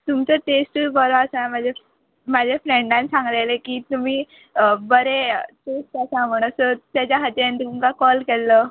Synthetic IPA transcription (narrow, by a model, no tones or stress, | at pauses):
t̪umt͡səʈesʈəbəɾoasãmad͡ʑʱe | mad͡ʑʱeflɛɳɖãnsãŋɡlelekiːt̪um̤iː | bəɾeʈesʈasãm̤əɽ̃əsət̪jat͡ɕaɦat̪jãnt̪umkakɔlkɛlːə